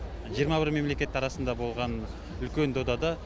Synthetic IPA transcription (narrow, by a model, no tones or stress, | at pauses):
ʒijəɾmɑbɪɾme̞mle̞kʲe̞t̪ːɑɾɑsənd̪ɑbo̞lˠʁɑn | ʏlkʲe̞nd̪od̪ɑd̪ɑ